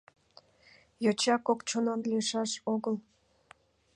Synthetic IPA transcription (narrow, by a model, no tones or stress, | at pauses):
jot͡ɕɑkokt͡ɕononleʃɑʃoɣəl